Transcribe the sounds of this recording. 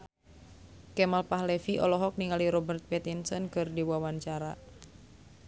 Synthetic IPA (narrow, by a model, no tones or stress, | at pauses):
kɛmalpaɦlɛfiʔɔlɔɦɔk̚niŋaliɾɔbərt̪̚pɛt̪insɔnkɨrdiwawaɲt͡ʃaɾa